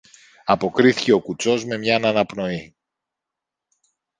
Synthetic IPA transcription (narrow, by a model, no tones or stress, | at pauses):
ɐpo̞kɾiθice̞o̞kut͡so̞zme̞mɲɐnɐnɐpno̞i